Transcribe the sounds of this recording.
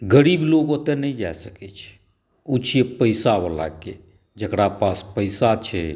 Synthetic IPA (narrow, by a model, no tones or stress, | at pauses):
ɡəɾiːbloːɡot̪enəĩd͡ʒaesəkɛt͡ʃʰ | ut͡ʃʰiepəɪsaʋəla̰ke | d͡ʒəkɽapaːspəɪsat͡ʃʰɛ